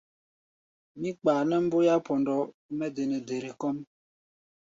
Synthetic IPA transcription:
mi˦k͡paː˨nɛ˦m̩˦bo˦ja˦pɔ˨ndɔ˨˦ | mɛ˦de˨nɛ˨de˨ɾe˨kɔ˦m

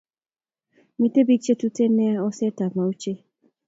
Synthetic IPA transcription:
mĩ˨te˦bi˦t͡ʃe˦tu˦te˦ne˦a˦ɔ˦sɛ˦ta˨mã˨u˦t͡ʃe˦

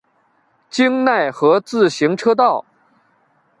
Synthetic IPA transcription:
t͡ɕi˥ŋna˥˩ɪxɤ˧˥t͡sɹ̩˥˩ɕi˧˥ŋʈ͡ʂʰɤ˥t̪̬ɑ˥˩ʊ

